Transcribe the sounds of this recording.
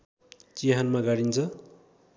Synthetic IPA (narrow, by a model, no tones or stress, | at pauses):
t͡siɦanmaɡaɽint͡sʰʌ